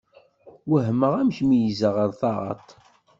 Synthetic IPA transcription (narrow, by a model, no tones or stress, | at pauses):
wəɦməʁæmçmijizəʁəɾθɑʁˤɑ̰t̪ˤ